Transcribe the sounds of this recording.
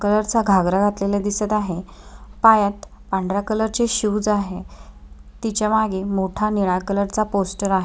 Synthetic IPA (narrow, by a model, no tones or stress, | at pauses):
kələɾt͡saɡʱaɡɾaɡʱat̪lelad̪isət̪aɦe | pajat̪ | paɳɖɾakələɾt͡ɕeɕuːd͡zaɦe | t̪it͡ɕjamaɡemoʈʰaniɭakələɾt͡saposʈəɾaɦe